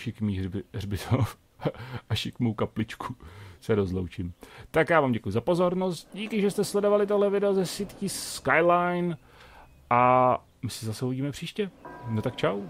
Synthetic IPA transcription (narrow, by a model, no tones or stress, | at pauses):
ʃɪkmirbɪt̪of | aʃɪkmowkaplɪt͡ʃkʰusɛɾo̞zlo̰wt͡ʃɪmt̪akjaːvaːmɟɛkujuzapo̞zo̞ɾno̞st̪̚ɟiːkɪʒɛst̪ɛslɛdo̞valɪt̪oɦlɛvɪdɛozɛsɪt̪ciskajlajn | ʔa | mɪsɛzasɛhoɟiːmɛpr̝̥iːʃcɛnot̪akt͡ʃaw